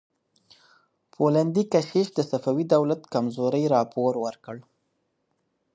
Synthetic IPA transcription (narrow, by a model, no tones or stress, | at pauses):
pʰoland̪ikaʃeʃd̪əsafawid̪awlat̪kamzoɾəjɾɑpoɾwəɾkəɽ